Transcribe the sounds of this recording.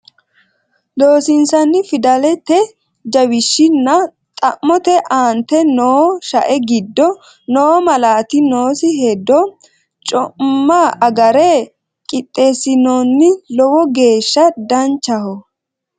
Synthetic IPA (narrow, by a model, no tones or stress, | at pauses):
d̪oːsɪnsɐnːɪfɪd̪ɐlɛt̪ɛ | d͡ʒɐwɪʃːɪnːɐ | t̪ʼɐʔmːɔt̪ɛʔaːnt̪ɛnoːʃɐʔɛɡɪd̪ːɔ | noːmɐlaːt̪ɪnoːsɪɦɛd̪ːɔ | t͡ʃʼɔmːɐʔɐɡɐɾɛ | kʼɪt̪ʼːeːsɪnoːnːɪlɔwɔɡe̞ːʃːɐd̪ɐnt͡ʃːɐhɔ